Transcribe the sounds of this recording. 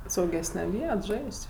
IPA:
sɐʊˈɡʲæːsʲnʲɛ ˈʋʲiɛt ˈʒɐɪsʲtʲ

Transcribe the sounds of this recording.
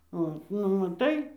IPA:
ˈoːt nʊ mɐˈtɐɪ

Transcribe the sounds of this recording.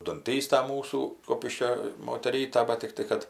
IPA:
dʊnʲˈtʲiːstɐ ˈmuːsuː ˈkʊpʲɪʃʲkʲoː moːtʲɛˈrʲiːtɐ ˈbɐt tʲɪkˈtɐɪ kɐt

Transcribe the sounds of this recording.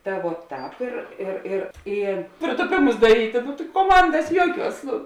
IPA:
ˈtɐ ʋuɔ ˈtɑːp ɪr ˈɪr ɪr ˈiː pʲrʲeːtʊˈpʲeːmʊs dɐˈrʲiːtʲeː nʊ tɐɪ koːˈmɐndɐs ˈjuɔˌkʲuɔs ˈnʊ

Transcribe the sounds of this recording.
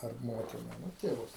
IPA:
ɐr ˈmoːtʲɪnɐ nʊ tʲeːˈʋʊs

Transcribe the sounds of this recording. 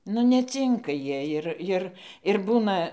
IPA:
nʊ nʲɛˈt͡sʲɪŋkɐ ˈjiɛ jɪr ˈjɪr ɪr ˈbuːnɐ

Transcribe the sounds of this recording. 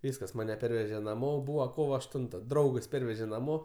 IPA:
ˈʋʲiːskɐs ˈmɑːnʲɛ ˈpʲɛrʲʋʲɛʒʲɛ nɐˈmoː ˈbuːʋɐ ˈkoːʋoː ɐʃˈtʊntɐ ˈdrɐʊɡɐs ˈpʲɛrʲʋʲɛʒʲɛ nɐˈmoː

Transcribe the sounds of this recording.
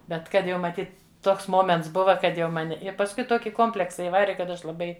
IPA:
ˈbʲɛt ˈkɐt jɛʊ mɐˈtʲiːt ˈtoːks ˈmoːmʲɛnts ˈbʊʋɐ ˈkɐt ˈjɛʊ ˈmɑːnʲɪ ɪ pɐsˈkʊɪ ˈtoːkʲɪ ˈkoːmʲpʲlʲɛksɐ ɪˈʋɑːrʲɪ kɐt ˈɐʃ lˠɐˈbɐɪ

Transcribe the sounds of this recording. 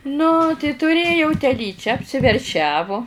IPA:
nʊ tɐɪ tʊˈrʲeːjɛʊ tʲɛˈlʲiːt͡ʃʲæː ɐpʲsʲɪʋʲɛrʲˈʃʲæːʋoː

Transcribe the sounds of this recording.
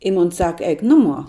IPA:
ɪ moːn ˈsɑːkɐ ˈɛɪk ˈnʊˌmuɔ

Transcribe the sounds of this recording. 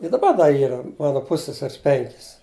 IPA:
ɪ dɐˈbɐ ˈdɐ ˈiːrɐ ˈmɑːnɐ ˈpʊsʲsʲɛsʲɛrʲɪs ˈpʲɛŋʲkʲɪs

